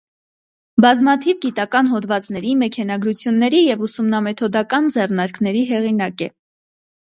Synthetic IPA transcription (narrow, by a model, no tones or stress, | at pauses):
bɑzmɑt̪ʰivɡit̪ɑkɑnɦɔd̪vɑt͡sn̪ɛɾimɛkʰɛnɑɡɾut͡sʰjunːɛɾijɛvusumnɑmɛt̪ʰɔd̪ɑkɑnd͡zɛrnɑɾknɛɾiɦɛʁinɑkɛ